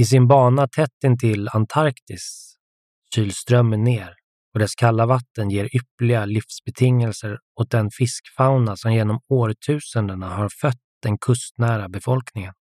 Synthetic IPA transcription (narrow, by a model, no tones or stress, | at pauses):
ɪs̬ɪnbɑːɳat̪ʰɛt̪ːɪnt̪ʰɪlant̪ʰaɾkt̪ɪs | ɕyːlst̪ɾœmːənːeːɾ | ɔd̪ɛskʰalːavat̪ːənjeːɾʏplɪɡalɪfsbɛt̪ʰɪŋːɛlsəɾ | ɔt̪̚d̪ɛnfɪskfaʊnasɔmjeːnɔmoːɾʈʰʉ̟ːsənd̪əɳahaɾfœt̪̚d̪̥ɛnkʰɵst̪næːɾabɛfɔlknɪŋən